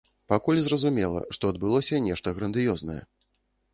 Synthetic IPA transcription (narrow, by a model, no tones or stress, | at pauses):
pakulʲzrɐzumʲɛlˠɐ̰ʂt̪ɔɐd̪̚bɨlˠɔsʲɐnʲɛʂt̪ɐɣɾɐnd̪ɨjɔznɐjɛ̰